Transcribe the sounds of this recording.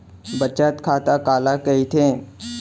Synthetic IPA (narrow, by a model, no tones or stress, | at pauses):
bət͡ʃaːt̪kʰaːt̪akaːlakəit̪ʰẽ